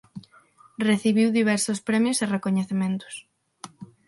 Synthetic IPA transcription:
reθiβiwðiβ̞ɛɾsʊspɾɛmjoserekoɲeθemẽnt̪ʊ̥s

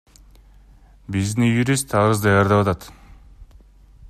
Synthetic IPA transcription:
biznijuɾʲist̪ʰːɑɾɯzd̪ɑjɑɾd̪ɑpɑt̪ɑt̪

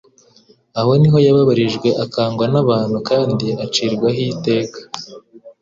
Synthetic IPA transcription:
aho̞niɦo̞jaβaβaɾiʒɡwe̞ʔakaːŋɡwanaβaːn̥hukaːndiat͡ʃiːɾɡwaɦite̞ːkḁ

